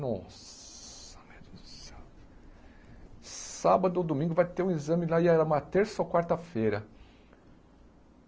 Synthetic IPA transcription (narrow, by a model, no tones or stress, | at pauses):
nɔs | ɐ̥med̪usɐ̥ | sabɐd̪ʊd̪omĩŋɡʊvajt̪eɾũizɐ̃mɪlaiɛɾɐũmɐt̪eɾsɐkwaɾt̪ɐfejɾɐ